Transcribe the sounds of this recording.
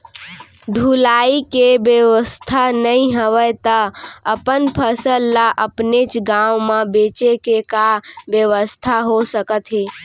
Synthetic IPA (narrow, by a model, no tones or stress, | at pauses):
ɖʱulaikebjəʋəst̪ʰanəĩɦəʋəjt̪əəpənpʰəsəlːaʔəpnet͡ʃɡãwmãbet͡ʃekekabjəʋəst̪ʰaɦosəkət̪ɦeː